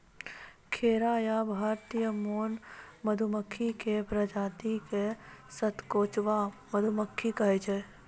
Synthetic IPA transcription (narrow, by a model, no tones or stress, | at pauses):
kʰeːɾaːjabʱaːɾt̪ijəmoːnməd̪ʱuməkʰːikepɾəd͡ʒaːt̪ikesət̪koːt͡ʃʋaməd̪ʱuməkʰːikɐɦet͡ʃe